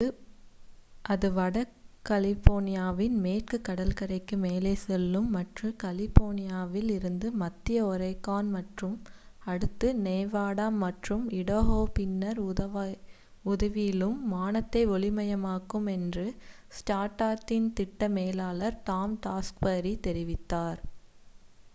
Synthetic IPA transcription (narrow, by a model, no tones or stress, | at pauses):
ɯ | ʔɐðɯʋɐɽɐkːɐlɪfoːnɪjaːʋɪnmeːʈkɯkːɐɽɐlkɐɾɐɪkːɯmeːleːsɛlːɯmːɐʈrɯkɐlɪfoːnɪjaːʋɪlɪɾɯnd̪ɯmɐt̪ːɪjɐɔɾɐɪkːaːnmɐʈrɯmɐɽɯt̪ːɯnɛːʋaːɽaːmːɐʈrɯmɪɽoɦoːpɪnːɐɾɐ | ʊðɐʋɪjɪlɯmːaːnɐt̪ːɐɪɔɭɪmɐjɐmaːkɯmɛndrɯ | sʈaːʈaːʈːɪnt̪ɪʈːɐmeːlaːlɐɾt̪aːmʈaːskbɐɾit̪ɛɾɪʋɪt̪ːaːɾ